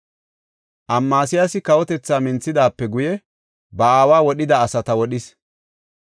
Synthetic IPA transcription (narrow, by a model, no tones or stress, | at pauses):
ʔɐmːaːsɪjasɪkɐwɔt̪ɛt͡sːaːmɪnt͡sːɪd̪aːpːɛɡʊjɛ | bɐaːwaːwɔɗɪd̪ɐːsɐt̪ɐwɔɗɪs